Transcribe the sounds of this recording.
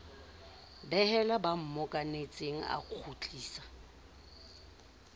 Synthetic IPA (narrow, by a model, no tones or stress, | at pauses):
bɛɦɛlabam̩mɔkʼanet͡sʼeŋ̩a̰q͡χʰut͡ɬʼiːsḁ